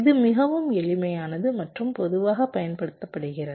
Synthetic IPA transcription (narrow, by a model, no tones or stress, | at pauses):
ɪðɯmɪɣɐʋɯmɛɭɪmɐjaːnɐðɯmɐʈrɯmpɔðɯʋaːɣɐpɐjɐnpɐɽɯt̪ːɐpːɐɽɯɣɪrɐ